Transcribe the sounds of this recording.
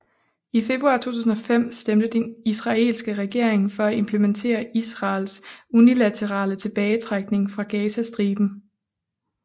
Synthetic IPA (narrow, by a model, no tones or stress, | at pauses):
ife̝b̥ʁuɑ̈ːt͡sʰo̝̰ːt͡sʰṵːs̬n̩ɒ̽fem̰sd̥emd̥əd̥enisʁɑ̈e̝̰ːlsɡ̥əʁɛɡ̥e̝ɐ̰eŋfɒ̽æe̝mpʰləment͡sʰe̝̰ːɐisʁɑ̈ːlsunilæt͡sʰəʁɑ̰̈ːlət͡sʰe̝b̥ɛːɪt͡sʰʁäɡ̥̚ne̝ŋfʁɑ̈ɡ̥ɛːsæsd̥ʁiːb̥n̩